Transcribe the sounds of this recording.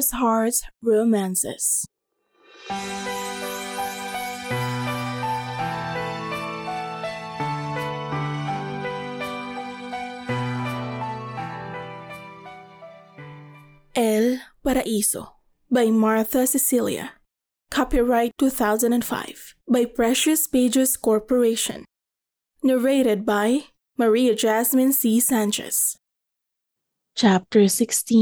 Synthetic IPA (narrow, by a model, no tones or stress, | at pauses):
shɑɹdsɹomæ̃nsɛ̰s | ʔɛlpɐɾɐʔiːsɔ̰ | bajmaɹθɐsɪsiljɐ̰ | kʰapiɹaɪt̪ːuθawzɐ̃ndɛ̃nd̪fa̰ɪv̥bajpɹɛʃʊspeɪd͡ʒɛskɔɹpɔɹeɪʃɔ̰̃nː | ɛɹeɪɾɛd̪̚baj | mɐɹiɐd͡ʒæsmɪ̃nsisæ̃nd͡ʒɛ̰s | t͡ʃap̚t̪ɛɹsɪkst̪ĩ